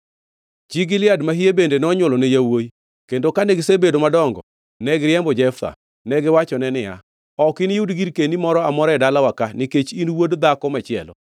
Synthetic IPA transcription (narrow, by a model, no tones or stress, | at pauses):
d͡ʒiɡɪlɪadmaɦijebendenɔɲʊlɔnɛjawoi | kendokanɛɡɪsebedomadɔŋɡɔ̰ | nɛɡɾɪɛmbɔd͡ʒɛft̪a̰ | nɛɡɪwat͡ʃɔnɛnɪja̰ | ɔkɪnjudɡiɾkenimɔɾɔamɔɾɛdalawakanɪket͡ʃinwodd̪akɔmɛt͡ʃɪɛ̰lɔ̰